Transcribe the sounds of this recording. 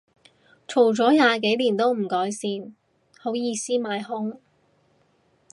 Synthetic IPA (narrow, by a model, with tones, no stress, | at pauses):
t͡ʃʰo˨˩wt͡sɔː˨˥jaː˨˧k̬e˨˥jliː˨˩nt̪o˥wm̩˨˩kɔː˨˥jsiː˧n | ho˨˥wjiː˧siː˥maː˨˧jɦʊ˥ŋ